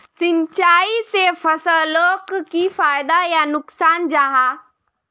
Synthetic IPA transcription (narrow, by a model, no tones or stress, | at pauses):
sɪ̃nt͡ʃaːisepʰəsəlloːkkifaːjd̪ajanʊksaːnd͡ʒaːɦaː